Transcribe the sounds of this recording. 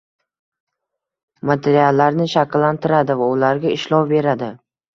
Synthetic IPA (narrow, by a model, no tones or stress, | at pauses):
mat̪ʰe̞ɾialːaɾnɪʃakʲlːant̪ʰɪɾad̪ɪvaʊlaɾɡʲaɪʃlˠɒwbe̞ɾad̪ɪ